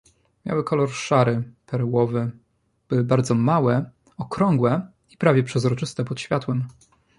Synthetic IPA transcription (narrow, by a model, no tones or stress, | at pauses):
mʲja̰wɘkɔlɔɾʂaɾɘpʰɛɾwɔvɘ | b̥ɘwɘbaɾd̪zɔmawɛ | ɔkɾɔŋɡwɛ | ipɾavʲjɛpʂɛzɾɔt͡ʂɘst̪ɛpɔt̪ɕfʲjat̪wɛm